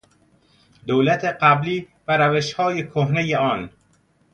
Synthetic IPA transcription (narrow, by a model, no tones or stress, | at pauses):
d̪owlæt̪ʰeɢæbliː | bæɾæveʃhɒːjekʰoɦnejeɒːn